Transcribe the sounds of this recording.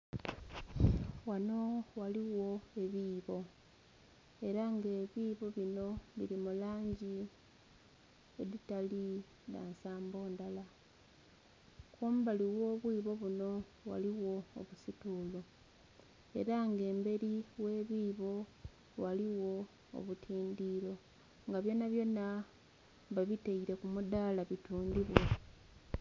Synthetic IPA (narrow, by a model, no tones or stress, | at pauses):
wano̞waliwo̞e̞βiːβo̞ | e̞ɾaŋɡeːβiːβo̞βino̞βiɾimulaːɲɟi | eðitali | ða̰ːnsaːmbo̞ːndala | kwo̞ːmuβaliwo̞ːβwiːβo̞βuno̞ | wa̰liwo̞̰ːβusituːlo̞ | e̞̰ɾaŋɡe̞ːmbe̞ɾiwe̞ːβiːβo̞ | waliwo̞ | o̰βutʰiːndiːɾo̞ | ŋɡaβjo̞naβjo̞na | βaβiteiɾe̞kumud̪aːlaβituːndiβwo